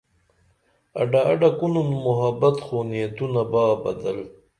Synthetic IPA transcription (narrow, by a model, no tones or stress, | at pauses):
a̰ɖaːɖakununmʊɦabat̪xonijat̪unabaːbɐd̪əl